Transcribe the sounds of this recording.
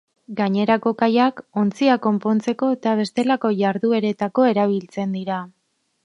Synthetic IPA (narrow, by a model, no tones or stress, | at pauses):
ɡaɲe̞ɾako̞kajako̞nt͡siako̞mpo̞nt͡se̞ko̞et̪aβ̞e̞st̪e̞lako̞ʝaɾðue̞ɾe̞t̪ako̞e̞ɾaβ̞ilt͡se̞nd̪iɾa